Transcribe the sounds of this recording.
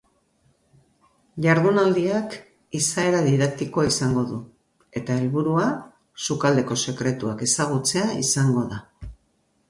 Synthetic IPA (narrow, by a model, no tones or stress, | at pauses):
ʎaɾð̞unald̪iak | isae̞ɾaðiðak̚t̪ikoaisaŋɡo̞ðu | e̞t̪ae̞lβuɾua | sukald̪e̞ko̞se̞kɾe̞t̪uake̞saɣ̞ut͡se̞aḭsaŋɡo̞ða